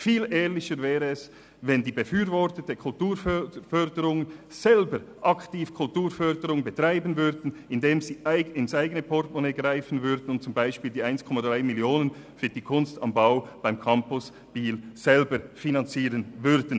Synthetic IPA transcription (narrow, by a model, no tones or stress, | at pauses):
fiːlʔɛːʁlɪçəɾvɛːʁəɛs | vɛndiːbəfyːɾvɔʁtətəkʰʊltuːɾfœfœʁdəɾʊŋənz̥ɛlbəɾʔɑktiːfkʰʊltuːɾfœɾdəʁʊŋəbətʁ̥aɪbən̩vʏɾdn̩ɪndeːmziːʔaɪɪnsaɪɡənəpʰɔtmɔneːɡʁaɪfən̩vʏɾdn̩ʊnt̚t͡sʊmbaɪʃpiːldiːʔaɪnskʰɔmadʁaɪmɪljoːnən | fyːd̥iːkʰʊnstɑ̰mbaʊb̥aɪmkʰɑmpʊs | b̥iːlz̥ɛlbəɾfinɑnt͡siːʁənvʏɾdn̩